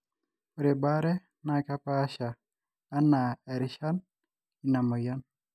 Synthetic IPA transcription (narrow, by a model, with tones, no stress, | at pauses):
o˨ɾe˨baɾɛ˦ | na˨ka˦paʃaː˨˦ | nːa˨ɛ˨ɾiʃa˦n | i˨na˨mo˨ja˦n